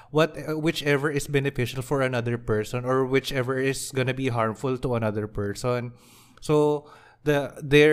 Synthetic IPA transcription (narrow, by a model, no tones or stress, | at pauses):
wɐt̪wɪt͡ʃɛvəɹɪsbɛnɪfɪʃɐlfɔɹɐnɐd̪əɹpɛɹsɔ̃nɔɹwɪt͡ʃɛvɛɹɪsɡɔnɐbiɦaɹmfʊlt̪ʊɐnɐðəɹpɛɹsɔ̃n | so | d̪ɐd̪ɛ